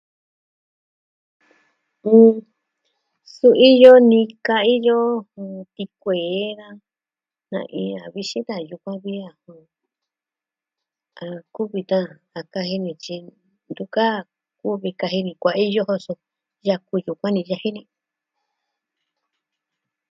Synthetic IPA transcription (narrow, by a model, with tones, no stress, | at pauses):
ũ˧˨ | su˧ʔi˦jo˦nĩ˧ka˧i˦jõ˦˧t̪i˧kʷe˨˦ða˦ | nã̰˧ʔḭ̃˧a˨βi˧ʃĩ˦t̪a˧˨ju˧kʷã˦βi˦a˧˨hõ˧ | a˧ku˦βi˧t̪ã˦˧ | a˨ka˧ɦi˧nĩ˧t͡ʃi˧ | nd̪u˧ka˦˧˨ | ku˦βi˧ka˧ɦi˧nĩ˧kʷa˧ʔi˦jo˦ɦo˧so˧ | ja˧ku˧ju˨kʷã˦nĩ˧ja˧hi˦nĩ˧